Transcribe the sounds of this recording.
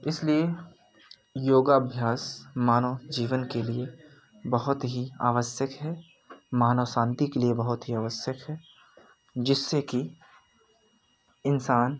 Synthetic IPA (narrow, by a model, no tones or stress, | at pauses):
ɪslie | joːɡabʱjaːsmaːnod͡ʒiːʋənkelie | bɐɦʊt̪ɦia̰ːʋəsjəkɦɛː | maːnoːsãːnt̪ikeliebɐɦʊt̪ɦiaːʋəsjəkɦɛː | d͡ʒɪsːeki | ɪnsaːn